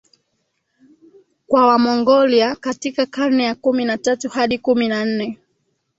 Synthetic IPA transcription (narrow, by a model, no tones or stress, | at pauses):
kwawamɔŋɡɔliakatikakanɛjakuminatatuhaɗikuminan̩nɛ